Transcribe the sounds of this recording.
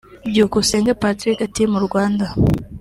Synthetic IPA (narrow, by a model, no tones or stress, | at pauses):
ɟokuseːŋɡapatɾikatimuɾɡwaːnda